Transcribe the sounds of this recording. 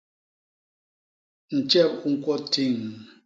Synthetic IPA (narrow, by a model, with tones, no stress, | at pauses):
n̩˨t͡ʃɛ˦˨p̚ŋ̩˦kɔ˦ti˦˨ŋ